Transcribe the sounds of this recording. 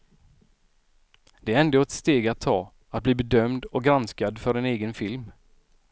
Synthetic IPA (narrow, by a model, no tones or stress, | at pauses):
d̪̥ɛæɾɛnd̪oːɛt̪st̪eːɡat̪ʰːɑː | at̪̚bliːbɛd̪œmd̪ɔk̚ɡɾanskad̪fœɾɛneːɡənfɪlm